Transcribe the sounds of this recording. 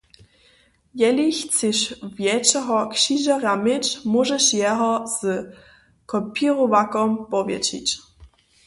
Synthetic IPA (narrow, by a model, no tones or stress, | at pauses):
jɛliçt͡sɪʃvjɛt͡ʃɛɦɔkʃiʒaramɪt͡ʃmɔʒɛʃjɛɦɔz̥ | kɔpiɾɔvakɔmpɔvjɛ̰t͡ʃḭt͡ɕ